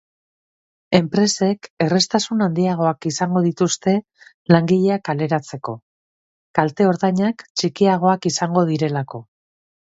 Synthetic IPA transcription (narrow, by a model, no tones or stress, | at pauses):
e̞mpɾe̞se̞ke̞re̞st̪asunand̪iaɣ̞o̞akisaŋɡo̞ðit̪ust̪e̞ | laŋɡiʎe̞akale̞ɾat͡se̞ko̞ | kalt̪e̞o̞ɾðaɲakt͡ʃikiaɣ̞o̞akisaŋɡo̞ð̞iɾe̞lako̞